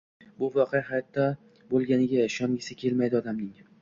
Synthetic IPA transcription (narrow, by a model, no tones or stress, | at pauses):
bʊvɒqʰejahajɒt̪ʰːa | bolˠɡʲanɪɡʲaʃɒŋɡʲɪsɪkʲʰe̞lmajd̪ɪɒd̪amnɪŋ